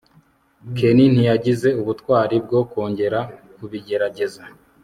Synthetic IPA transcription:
kʰenin̥ijaɟize̞uβutwaːɾib̚ɡo̞ːko̞ːɲɟe̞ɾa | kuβiɟe̞ɾaɟe̞za

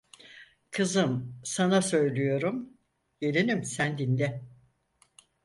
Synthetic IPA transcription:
kʰɯzɯmsanasø̞jlʲyjo̞ɾum | ɟelʲinimsænd̪ind̪ɛ

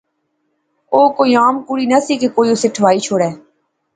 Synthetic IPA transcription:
oːkoːiːaːmkuːɽiːnəsiːkekoːiːoseːʈʰʋaːiːt͡ʃʰoːɽɛː

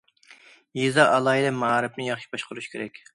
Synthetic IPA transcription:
jezɑʔɑlˠɑːid̪ɛmɑɾɪp̚nɪjɑχʃi̥bɑʃqʰəɾuʃkʲʰeɾɛkʲ

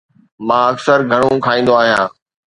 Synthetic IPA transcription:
mãːɐksəɾɡʱɐɽ̃õkʰaːĩːn̆d̪oaːɦijãː

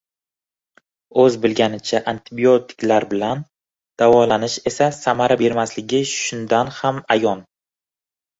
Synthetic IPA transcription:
ɵzbɪlɡʲanɪt͡ʃʰaʔant̪ʰɪbio̞t̪ʰɪ̥kʲlaɾbɪlan | d̪̥avɒlanɪʃe̞sasamaɾabe̞ɾmaslɪɡʲɪʃʊnd̪anhamajɒn

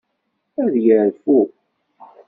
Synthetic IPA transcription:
æðjəɾfu

